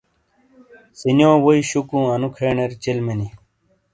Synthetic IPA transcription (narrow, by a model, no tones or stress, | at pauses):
sinjoːwoiɕukũːɐnukʰeːɳeɾt͡ɕelmeni